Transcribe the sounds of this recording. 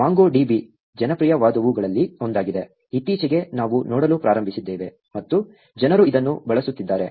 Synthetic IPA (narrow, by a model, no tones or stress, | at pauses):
maːŋɡoːɖiːbi | d͡ʒɐnɐpɾijɐʋaːd̪ɐʋuɡɐɭɐlːio̞nd̪aːɡid̪e̞ | it̪ːiːt͡ʃɐɡe̞naːʋunɔːɽɐluːpɾaːɾɐmbʱisid̪ːeːʋe̞ | mɐt̪ːu | d͡ʒɐnɐɾuid̪ɐnːubɐɭɐsut̪ːid̪ːaːɾe̞